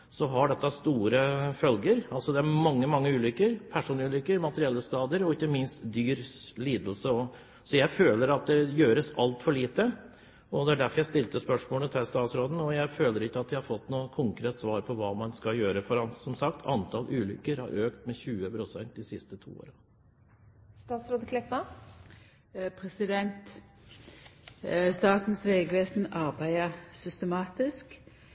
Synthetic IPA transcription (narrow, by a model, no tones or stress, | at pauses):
sɔɦɑɖɛt̪ːɑst̪uːɾəfœlɡəɾɑlsɔd̪ɛæɾmɑŋːəmɑŋːəʉːlʏkːəɾpʰæʂuːnʉːlʏkːəɾmɑt̪əɾɪɛlːəskɑːd̪əɾɔɪçːəmɪnst̪d̪yːɾliːd̪əlsəɔ | sɔjæɪføːləɾɑt̪̚d̪ɛjøːɾəsɑlt̪fɔɭiːt̪ə | ɔd̪ɛæɖæɾfɔɾjæɪst̪ɪlt̪əspœʂmoːlət̪ʰælst̪ɑːt̪sɾoːd̪n̩ɔjæɪføːləɾɪkːəɑt̪̚d̪ɪhɑɾfɔt̪ːnuːkʰʊŋkɾeːt̪sʋɑːɾpʰɔʋɑːmɑnskɑljøːɾəfɔɾɑnsɔmsɑkt̪ʰɑ̰nt̪ʰɑlʔʉːlʏ̰kːəɾhɑ̰ɾøːkt̪mɛçʉːəpʰɾʊsɛnt̪̚d̪ɪsɪst̪ət̪ʰṵːo̰ːɾɑ | st̪ɑːt̪sɾoːd̪əkʰlɛpːə | pʰʁɛsɪd̪ɛnt̪ | st̪ɑːt̪n̩sʋeːɡʋeːsn̩ɑʁbæɪəsʏst̪əmɑːt̪ɪsk